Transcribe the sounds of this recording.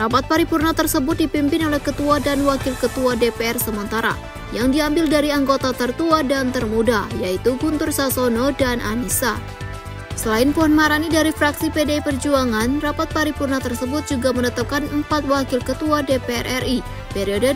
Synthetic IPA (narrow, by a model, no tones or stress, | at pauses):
rapat̪̚paɾipurnat̪ərsəbʊt̪̚dipimpɪnolɛhkət̪uadanwakɪlkət̪uadepeɛrsəmənt̪aɾa̰ | jaŋdiambɪldaɾiaŋɡot̪at̪ərt̪uadant̪ərmudajait̪uɡunt̪ʊrsasonodanʔa̰nisa | səlaɪnpuhanmaɾanidaɾifɾaksipedeipərd͡ʒuaŋanrapat̪̚paɾipurnat̪ərsəbʊt̪̚d͡ʒuɡamənət̪ap̚kanəmpat̪̚wakɪlkət̪uadepeɛrɛrʔi | peɾiodə